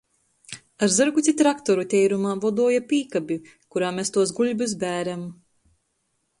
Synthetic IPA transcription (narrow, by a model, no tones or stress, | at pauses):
aɾzɨɾɡut̪ʲit̪ɾakt̪ɔɾut̪ʲɛjɾumaːvɔd̪uɔjapʲiːkabʲi | kuɾaːmʲest̪uɔsɡuʎʲbʲus̬bʲæːɾam